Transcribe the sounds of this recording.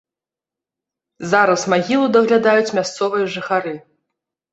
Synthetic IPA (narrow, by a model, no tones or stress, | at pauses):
zaɾɐsmaɣʲilˠud̪ɐɣlʲad̪ajut͡sʲmʲast̪sɔvɨjɐʐɨxaɾɨ